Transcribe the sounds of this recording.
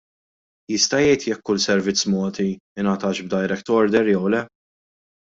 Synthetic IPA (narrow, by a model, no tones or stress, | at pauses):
jɪst̪ɐjɛjt̪jɛkːʊlsɛɾvɪt͡sːmɔːt̪iɪnɐt̪ɐːʃb̚d̪ɐjɾɛkt̪ɔɾd̪ɛɾjɛwlɛ